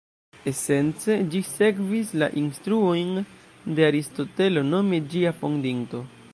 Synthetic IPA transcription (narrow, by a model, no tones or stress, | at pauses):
e̞se̞nt͡se̞d͡ʒise̞kvisla̰ʔinstɾuo̞jn | de̞aɾisto̞te̞lo̞no̞mid͡ʒiapo̞ŋdiŋto̞